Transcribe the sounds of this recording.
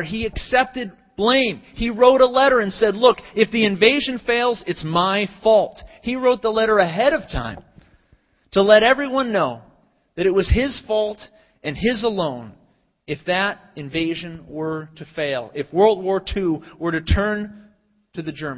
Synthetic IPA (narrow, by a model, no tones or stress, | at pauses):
iɨksɛp̚tɨd̚ | b̥lẽɪ̃miɹoʊɾəlɛɾə˞ɨ̃nsɛdˡlʊkɨfðiɨ̃ɱveɪʒɨ̃nfeɪlˠzɨtsmaɪfɔlˠt̚hiɹoʊt̪̚ðəlɛɾə˞ɨɦɛɾʌv̥tʰã̰ɪ̃m | tʰəlɛɾɛvɹiwʌ̃nːoʊ | ðɨɾɨt̚wʌz̥ɪz̥fɔlˠt | ʔɨ̃nɪzəlõʊ̃n | ɨfðɨɾ | ɨ̃ɱveɪʒɨ̃nwə˞ɾɨfeɪlˠɪfwɜ˞lˠd̚wɔɹtʰʉwə˞ɾɨtʰɜ̃˞n | tʰɨðɨd͡ʒɜ˞m